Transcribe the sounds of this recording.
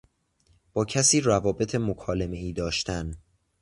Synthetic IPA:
b̥ɒːcʰæsiːrævɒːbe̞t̪ʰe̞mokʰɒːleme̞iːd̪ɒːʃt̪ʰæn

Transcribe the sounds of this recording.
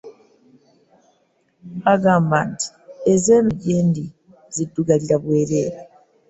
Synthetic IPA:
aɡaːmbaːnti̥ezeːmiɟeːndi | zidːuɡaliɾaβwe̞ːɾe̞ːɾe

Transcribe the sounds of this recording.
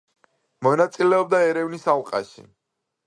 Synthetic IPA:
mɔnat̪sʼilɛɔb̚d̪aɛɾɛvnisalˠqʼa̰ʃḭ

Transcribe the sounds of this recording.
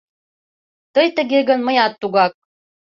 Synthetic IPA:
t̪ɤjt̪ə̆ɡeɡə̆nmɤ̆jɑt̪ːuɣɑk̚

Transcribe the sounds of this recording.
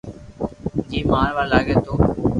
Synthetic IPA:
d͡ʒiːmaːɾʋaːlaːɡẽːt̪oː

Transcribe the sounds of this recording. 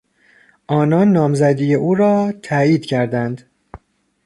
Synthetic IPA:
ʔɒːnɒːnːɒːmzæd̪ijeʔuːɾɒːt̪ʰæiːd̪̥cʰæɾd̪ænd̪̥

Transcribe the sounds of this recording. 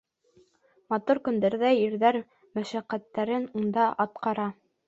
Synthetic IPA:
mɑt̪uɾkɵ̆nd̪æɾðæjɘ̆ɾðæɾ | mæʃæqːæt̪ːæɾɘnund̪ɑʔɑt̪̚qɑɾɑ

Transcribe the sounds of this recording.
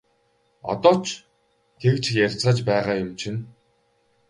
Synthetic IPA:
ɔ̰t̪ɔːt͡ɕʰ | ɡ̥ewt͡ɕʰjær̥ʲt͡saːt͡ɕpæːʁaːjʊmt͡ɕʰin

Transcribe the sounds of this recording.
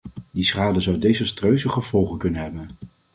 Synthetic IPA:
disχaːdəzʌwdejzəstrøɥzəχəv̥ɔlˠχəkɵnənɦɛbən

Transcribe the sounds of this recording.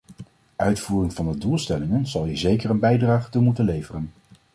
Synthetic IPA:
ʔœɥtfuːrɪŋv̥ɑndədulˠstɛlɪŋənz̥ɑlˠizejkəɹənbɛjdraːχətumutənlejvərən

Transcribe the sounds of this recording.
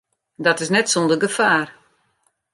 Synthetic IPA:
dɔtɪsnɛtsondəɡəfaːr

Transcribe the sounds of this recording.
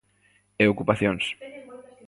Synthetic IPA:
eokupaθjoŋs

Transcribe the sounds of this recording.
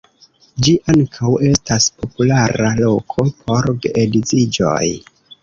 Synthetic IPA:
d͡ʒiʔaŋkʰawe̞staspo̞pulaɾalo̞kʰo̞pʰo̞ɾɡeedizid͡ʒo̞̰j

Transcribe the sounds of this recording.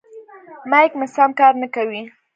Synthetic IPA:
majkmɪsamkɑɾnəkawi

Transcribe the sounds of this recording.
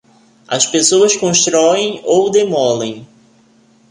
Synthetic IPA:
ɐspesoɐskõst̪ɾɔẽj̃owd̪emɔlẽj̃

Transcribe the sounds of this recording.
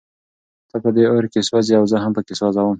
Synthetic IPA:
t̪əpəd̪eoɾkeswɑziawzəɦampəkeswɑzawəm

